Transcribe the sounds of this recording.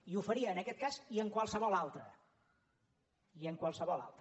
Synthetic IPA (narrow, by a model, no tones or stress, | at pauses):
iufəɾiəːnəkɛt̪̚kaziəŋkwalˠsəβɔlˠalˠt̪ɾə | iəŋkwalˠsəβɔlˠa̰lˠt̪ə